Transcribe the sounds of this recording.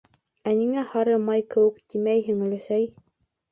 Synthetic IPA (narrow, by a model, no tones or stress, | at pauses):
æniŋæhɑɾɤmɑjkɘ̆wɘ̆kt̪imæjɦɘ̆ŋɵ̆lɘ̆sæj